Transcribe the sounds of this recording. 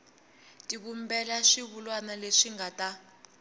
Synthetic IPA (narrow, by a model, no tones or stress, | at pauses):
tʼiɓumbɛlaʂiβulwanaleʂiŋɡatʼa